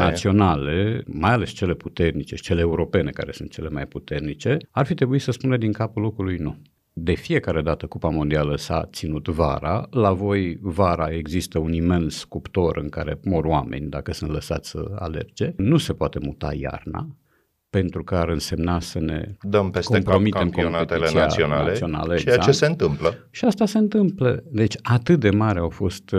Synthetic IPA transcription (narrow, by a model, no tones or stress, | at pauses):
nasio̞nalemajale̞st͡ʃe̞le̞put̪e̞rnit͡ʃe̞i̥t͡ʃe̞leːuɾo̞pe̞ne̞ka̰ɾe̞sunt̪t͡ʃe̞le̞majput̪e̞rnit͡ʃe̞arfit̪ɾe̞buit̪səspunəd̪iŋkapulo̞kɾulujnu | d̪e̞fije̞kaɾe̞d̪at̪əkupamo̞nd̪ialəsa̰t̪sinut̪va̰ɾa̰lavo̞jvaɾae̞ɡzist̪əunime̞nskupt̪o̞ɾɨŋka̰ɾe̞̰mo̞rwame̞̰nʲd̪akəsɨnt̪ləsa̰t̪sʲsə̰a̰le̞̰rd͡ʒe̞nuse̞poat̪e̞mut̪a̰ja̰rna̰ | pe̞nt̪ɾukəaɾɨnse̞mnasəne̞̰d̪əmpeskompɾo̞mie̞mkompnet̪eiiaa̰ionalio̞na̰ləaeseɨnt̪ɨmpləʃiast̪aseɨnt̪ɨmpləd̪e̞t͡ʃʲat̪ɨt̪̚d̪e̞maɾeawfo̞st̪